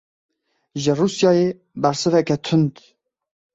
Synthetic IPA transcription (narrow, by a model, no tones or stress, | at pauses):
ʒɨruːsjɑːje | bɛɾsɨvɛkɛt̪ʰʊnd̪